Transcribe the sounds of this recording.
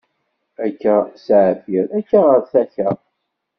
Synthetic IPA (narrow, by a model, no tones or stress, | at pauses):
ækːæsʕfiɾækːæʁəɾθæçəʁ